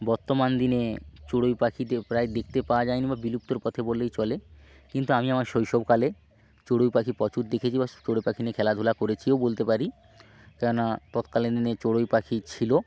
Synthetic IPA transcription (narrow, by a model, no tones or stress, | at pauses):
bɔɾt̪omand̪inet͡ɕoɽojpakʰit̪epɾaed̪ek̚ʰt̪epawad͡ʑajnibabilup̚t̪oɾpɔt̪ʰebolejt͡ɕɔle | kint̪uamiamaɾʃojʃɔbkale | t͡ɕoɽojpakʰipɔt͡ɕuʈd̪ekʰet͡ɕʰibat͡ɕoɽojpakʰinekʰɛlad̪ʱulakoɾet͡ɕʰiobolt̪epaɾi | kɛonat̪ɔt̪kaled̪inet͡ɕoɽojpakʰit͡ɕʰilo